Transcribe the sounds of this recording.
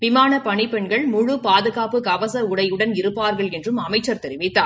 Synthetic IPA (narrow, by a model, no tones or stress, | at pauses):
ʋɪmaːnɐpɐɳɪpːɛɳɡɐɭmʊɻʊpaːðɯɣaːpɯkɐʋɐsɐʊɽɐjɯɽɐnɪɾɯpːaːɾɣɐɭɛndrɯmɐmɐɪt͡ʃːɐɾt̪ɛɾɪʋɪt̪ːa̰ː